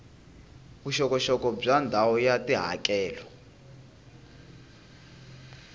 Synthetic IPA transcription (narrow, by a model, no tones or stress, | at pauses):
βuʃɔkɔʃɔkɔb͡ʐandʱawɔjatiɦa̰kɛːlɔ